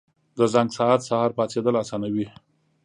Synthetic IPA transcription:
d̪əzaŋɡsaɦat̪sahɑɾpɑt͡sed̪əlasɑnawi

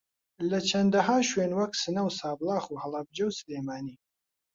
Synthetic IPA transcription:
lɐt͡ʃʰɐnd̪ɐɦaːʃweːnwɐk̚sɨnɐwsaːblɑːxuːhɐlɑb̚d͡ʒɐwsɨleːmaːniː

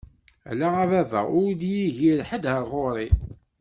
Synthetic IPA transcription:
æ̰laævævæ̰ʊɾd̪jiʝiɾħəd̪həɾˤʁoɾˤi

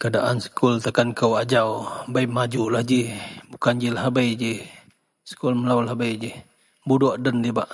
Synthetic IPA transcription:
kəadaʔansə̥kult̪akankəwad͡ʒawbajmad͡ʒulahd͡ʒihbukand͡ʒilahbəjd͡ʒih | sə̥kulməlawlahbəjd͡ʒih | budɔʔdəndibaʔ

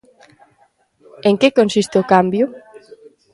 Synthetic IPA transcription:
eŋkekonsist̪eokambjʊ

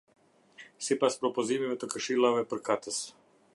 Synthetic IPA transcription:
sipaspɾɔpɔzimimɛt̪ɔkəʃilavɛpəɾkat̪ɛs

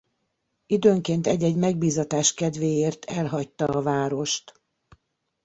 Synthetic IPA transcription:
id̪øːŋkeːnt̪ɛɟːɛɟmɛɡ̚biːzɒt̪aːʃkɛd̪ʋeːjeːrt̪ʰɛlɦɒc̚t̪ɒːvaːɾo̞ʃt̪

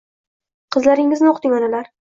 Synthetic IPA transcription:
qʰɨzlaɾɪŋɪznɪoqt̪ɪŋanalaɾ

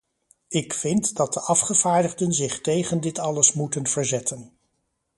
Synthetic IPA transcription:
ɪkfɪntdɑt̚dəʔɑfχəv̥aːɹdəχdənzɪχtejχəndɪtɑləsmutənv̥əɹzɛtʰən

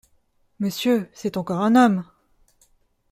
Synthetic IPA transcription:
məsjøsɛt̪ɑ̃kɔʁɛ̃nɔm

